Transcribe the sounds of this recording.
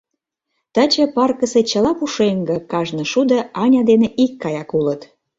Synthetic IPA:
t̪ət͡ɕə̆pɑrkəset͡ɕəlɑpuʃeŋɡə̆kɑʒnə̆ʃud̪ə̆ɑnʲɑd̪eneʔikːɑjɑkulət̪

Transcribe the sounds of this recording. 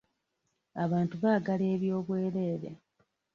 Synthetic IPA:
aβaːntuβaːɡale̞ːβjo̞ːβweːɾe̞ːɾḛ

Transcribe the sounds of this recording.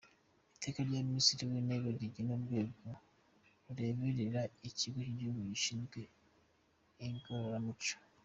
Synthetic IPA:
eteːkaljammisiɾiweneɡeɡiɟinoβweːɡo | uɾeβeɾeɾaeciɡociɟuβujiʃinɡe | ŋkoɾoɾamuco̥

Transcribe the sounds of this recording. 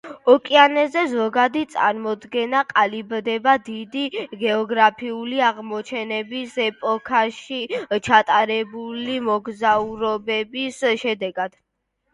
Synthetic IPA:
ɔkʼianɛzɛzɔɡad̪it̪sʼa̰ɾmɔd̪ɡɛnaqʼalibd̪ɛbad̪id̪iɡɛɔɡɾapʰiuliaʁmɔt͡ʃʰɛnɛbisɛpʼɔkʰaʃit͡ʃʰat̪ʼaɾɛbulimɔɡzauɾɔbɛbisʃɛd̪ɛɡad̪̥

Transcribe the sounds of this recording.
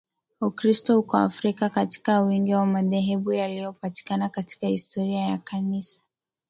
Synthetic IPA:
ukɾistɔhukɔa̰fɾikakati̥kawiŋɡiwamaðɛɦɛɓujalijɔpati̥kanakati̥kahistʰɔɾiajakʰanisḁ

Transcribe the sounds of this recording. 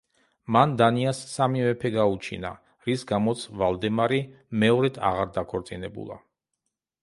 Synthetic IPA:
mand̪aniasːamivɛpʰɛɡaut͡ʃʰḭna̰ | ɾisɡamɔt̪sʰvalˠd̪ɛmaɾi | mɛɔɾɛd̪ʰa̰ʁaɾd̪akʰɔɾt̪sʼinɛbṵlˠa̰

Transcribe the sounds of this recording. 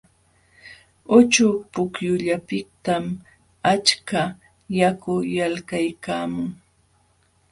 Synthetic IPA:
ʊt͡ʃʊpʊkjʊʎapɪk̚t̪am | at͡ʃka | jakʊjalkajkaːmʊŋ

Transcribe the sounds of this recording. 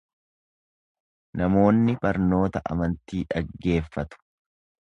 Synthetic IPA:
nɐmo̞ːnːɪbɐɾno̞ːt̪ɐʔɐ̰mɐnt̪iːᶑɐɡːe̞ːfːɐt̪ʊ̥

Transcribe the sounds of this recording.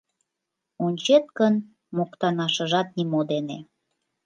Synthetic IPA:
unʲt͡ɕet̪̚kən | mokt̪ɑnɑʃə̆ʒɑt̪̚nimod̪ene

